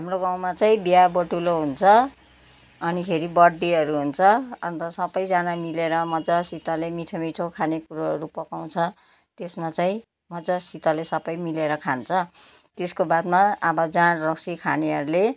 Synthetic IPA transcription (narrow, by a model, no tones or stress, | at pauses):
ɦamroɡaw̃mat͡saĩbjaboʈuloɦunt͡sʰʌ | ʌnipʰeɾibʌɽd̪iɦʌɾuɦunt͡sʰʌʌ̰nt̪ʌsʌbʌjd͡zanamileɾʌmʌd͡zasit̪alemiʈʰomiʈʰokʰanekuɾoɦʌɾupʌkaw̃t͡sʰʌ | t̪esmat͡saĩ | mʌd͡zasit̪alesʌbʌjmileɾʌkʰant͡sʰʌ | t̪eskobad̪maːbʌd͡zanrʌksikʰaneɦʌɾule